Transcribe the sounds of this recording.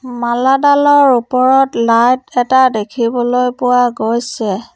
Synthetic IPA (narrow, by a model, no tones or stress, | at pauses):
maladalɔɹupɔɹɔtlajtɛtadekʰibɔlojpʊwaɡojsɛ